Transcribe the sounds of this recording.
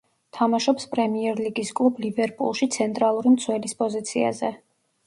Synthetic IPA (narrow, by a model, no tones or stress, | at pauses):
t̪ʰamaʃɔpspʼɾɛmiɛɾliɡiskʼlˠublibɛɾpʼṵlˠʃit̪sʰɛnt̪ʼɾalˠuɾimt̪sʰwɛlispʼɔzit̪sʰia̰zɛ